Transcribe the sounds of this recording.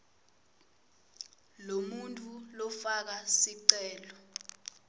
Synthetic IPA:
lomuntʼulɔfak̬asiǀɛːlɔ

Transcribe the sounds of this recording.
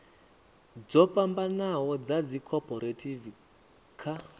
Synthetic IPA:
d͡zɔpambanaɦɔd͡zad͡zikʰɔpɔɾatʰivi | kʰa

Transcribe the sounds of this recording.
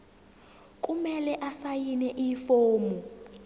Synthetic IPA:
k̬ʼumɛlɛʔasajinɛʔifoːmɔ

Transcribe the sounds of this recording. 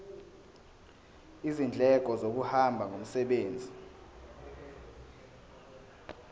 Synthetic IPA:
izind͡ɮʱɛk̬ʼɔzok̬uhambʱaŋɡʱom̩sɛɓeːnd͡zʱi

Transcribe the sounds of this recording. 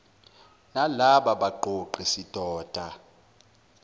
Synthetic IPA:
nalaɓaɓaǃoǃisid̥ʱɔːd̥ʱa

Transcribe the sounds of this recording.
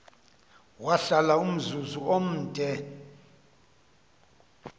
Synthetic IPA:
waɬalaum̩zuzuom̩ːdʱɛ

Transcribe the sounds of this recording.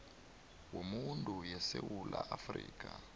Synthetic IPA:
womuntʼujɛsewulaʔafriːkʼa

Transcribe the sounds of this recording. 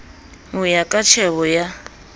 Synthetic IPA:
ujakʼat͡ʃʰɛβɔja

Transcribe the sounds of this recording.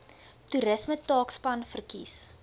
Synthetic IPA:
tuɾəsmətɑːkspɐnfərkis

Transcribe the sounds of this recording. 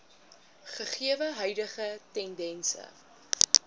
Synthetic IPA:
χəχiəvəɦœɥdəχətɛndɛnsə̰

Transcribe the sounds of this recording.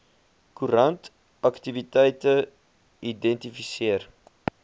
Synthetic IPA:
kuɾɐnt | ɐktivitɛjtə | idɛntifisiər

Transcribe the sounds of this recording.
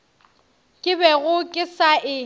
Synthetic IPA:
kʼɪbɛɣʊkʼɪsaʔɪ

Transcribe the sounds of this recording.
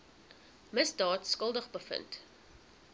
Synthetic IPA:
məsdɑːtskəlˠdəχbəfə̰nt

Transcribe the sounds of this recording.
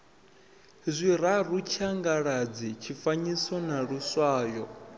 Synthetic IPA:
zʷiɾaɾut͡ʃʰaŋɡaɺad͡zit͡ʃʰifaɲisɔnaɺuswaːjɔ

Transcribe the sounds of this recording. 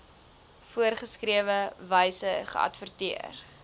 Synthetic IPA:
fuərχəskriəvəvəjsəχə̰ɐ̰tfərtiər

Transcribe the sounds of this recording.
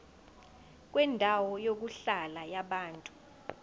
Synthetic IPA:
k̬wɛndʱawɔjok̬uɬalajaɓaːntʼu̥

